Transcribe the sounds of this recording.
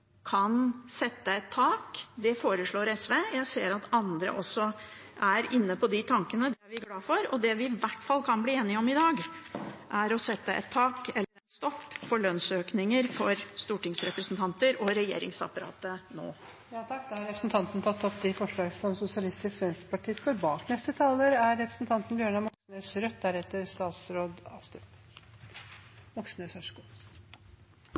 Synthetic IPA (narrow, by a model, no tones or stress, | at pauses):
kʰɑnsɛt̪ːəɛt̪ʰːɑːkd̪ɛfoːɾəʂɭoːɾɛsʋeːjæɪseːɾɑt̪ɑnd̪ɾə̰ʔɔsːɔʔæɾɪnːəpɔd̪ɪt̪ʰɑŋkənəd̪ɛæɾʋɪɡlɑːfɔɾɔd̪ɛʋɪʋæʈːfɑlːkʰɑnbliːeːnɪɔmɪd̪ɑːɡʔæɾɔsɛt̪ːəʔɛ̰t̪ʰːɑːkɛlːəɾɛnst̪ɔpːfɔɭœnsøːknɪŋəɾfɔɾst̪uːʈɪŋsɾɛpɾəsnt̪ʰɑnt̪əɾɔɾɛjḛːɾɪ̰ŋsɑ̰pɑɾɑ̰ːt̪əno̰ː | jɑːt̪ʰɑk̚ːd̪ɛɑɾɛpɾəsnt̪ʰɑnt̪nt̪ʰɑt̪ːɔpd̪ɪfɔʂɭɑːɡəsɔmsʊsɪɑlɪst̪ɪskʋɛnskpɑʈʰiːst̪oːɾbɑːknɛst̪ət̪ʰɑːləɾæɾːɛpɾə̥sn̩t̪ʰɑnt̪nbjøːɳɑmɔksnøsɾœt̪̚ːd̪æɾɛt̪ːəɾst̪ɑːt̪sɾoːd̪ɑst̪ | mɔksnəsœʂku